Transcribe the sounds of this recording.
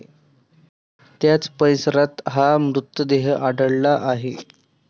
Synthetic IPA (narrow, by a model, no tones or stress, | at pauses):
t̪jat͡spəjsɾat̪ɦamɾut̪ːəd̪eɦəʔaɖəɭlaʔaɦe